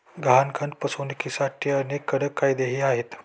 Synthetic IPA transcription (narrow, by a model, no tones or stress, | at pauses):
ɡɦankʰən̚pəsonikisaʈʰiənekːəɽəkːajd̪eɦiːaɦet̪